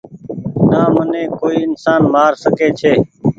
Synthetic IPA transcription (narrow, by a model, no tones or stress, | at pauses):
naːmənẽːkoːiːɪnsaːnmaːɾsəkeːt͡ʃʰeː